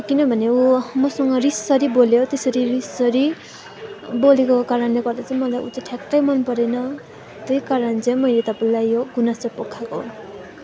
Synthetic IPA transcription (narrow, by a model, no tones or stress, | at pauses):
kinʌbʱʌneumʌsʌŋɡʌrissʌɾiboljot̪esʌɾirisʌɾi | bolekokaɾʌnleɡʌrd̪at͡saĩmʌlajʔṵt͡sʌʈʰjaktːʌjmʌnpʌɾʌnʌ | t̪ʌjkaɾʌnt͡sʌĩmʌjlet̪ʌpaĩlajːoɡunast͡sʌpokʰːako̰